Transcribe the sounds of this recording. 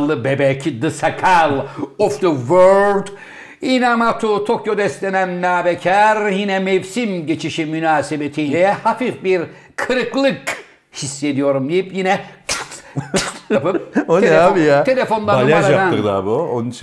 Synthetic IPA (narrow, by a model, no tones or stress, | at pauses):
lˠːɯbebɛcd̪ɯsakʰalˠɔfd̪əvøɾd̪ | inamat̪ʰut̪ʰokjo̞d̪ɛst̪lʲenænːaːbɛcʰæɾjinɛmɛvsimɟet͡ʃʰiʃimynaːsebet̪ʰijlɛhafifbiɾ | kʰɯɾɯklˠɯk | hisːe̞d̪ijoɾumd̪ijipjinɛ | japɯoeeabijat̪ʰe̞lʲefo̞nlˠaɾalaɾaad̪anɯkla̰buont͡ʃ